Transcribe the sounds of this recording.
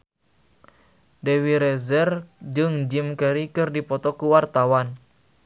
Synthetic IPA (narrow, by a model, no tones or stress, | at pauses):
dɛwiɾɛzɛrd͡ʒɨŋd͡ʒimkɛɾikɨrdipɔt̪ɔkuwart̪awan